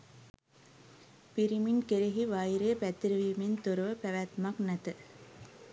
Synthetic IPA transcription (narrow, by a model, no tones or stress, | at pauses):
piɾiminkeɾeɦiʋɐjɾeːpæt̪ːɾɐʋimint̪oɾɐʋəpæʋæːt̪maknɐt̪ɨ